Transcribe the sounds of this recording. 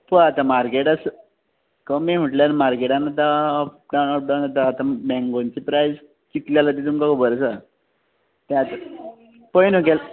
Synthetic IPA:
pəat̪ãmaɾkeʈas | kəmim̤uʈljanmaɾkeʈanːat̪aɖawnap̚ɖawnat̪aːt̪ãbɛ̃ŋɡont͡ɕipɾajz | kit̪ljalat̪̬it̪umkakobəɾsa | t̪ɛ̃at̪a | pəjnukel

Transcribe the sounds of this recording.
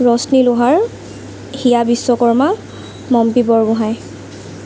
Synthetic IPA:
ɹɔsnilʊɦaɹ | hijabisːɔkɔɹma | mɔmpibɔɹɡʊɦaj

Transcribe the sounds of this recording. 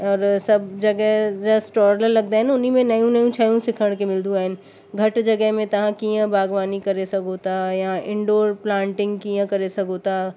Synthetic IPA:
ɔːɾsɐbd͡ʒɐɡɛɦd͡ʒɐsʈɔːɾləɾlɐɡ̚d̪aɦɛnaʊnimẽnɐjũnɐjũt͡ʃʰaːjũsɪkʰəɽ̃kemɪld̪ũaɪn | ɡʱɐʈd͡ʒɐɡɛɦmẽt̪ɐɦãkijãbaːɡʋaːnikɐɾesɐkot̪ajaʔɪ̃ɳɖoːɾplãːɳʈɪ̃ŋɡkijãkɐɾesɐkot̪aː

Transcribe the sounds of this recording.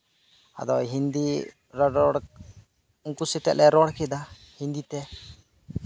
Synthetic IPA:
a̰d̪ɔɦind̪i | ɾɔɔɽ | uŋkusɛt̪ɛ̰ʔlʔɛɾɔɽkɛd̪a | hind̪it̪ɛ

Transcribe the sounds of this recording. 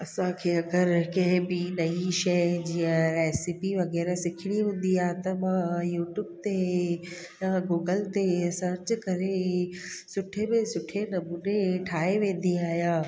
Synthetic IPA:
ɐsãkʰeːɐɡəɾkɐ̃ɦɪ̃bɪnɐiʃɐjd͡ʑiːə̃eːsipiʋɐɣɛːɾɛsɪkʰɪɽ̃iɦũːnd̪iaːɦet̪ɐmãjuːʈjuːbt̪e | jãɡoːɡəlt̪esɐɾt͡ɕkɐɾe | sʊʈʰebɪ̃sʊʈʰenɐmuːneʈʰaːɦeʋẽːn̆d̪iaːɦijãː

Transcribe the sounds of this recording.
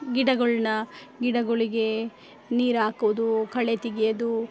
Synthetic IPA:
ɡiɽɐɡɐɭnɐ | ɡiɽɐɡoɭiɡe̞ | niːɾaːkuʋud̪ukɐɭet̪iɡijɐd̪u

